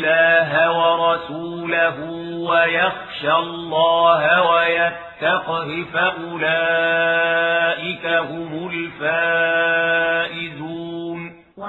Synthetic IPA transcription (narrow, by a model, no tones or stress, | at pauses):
laːɦawɑɾˤɑsuːlaɦʊwajɑxʃalˤːɑːhawajatt̪ːɑqɾɪfaʔʊlaː | ʔɪkaɦʊmʊlfaː | ʔɪduːn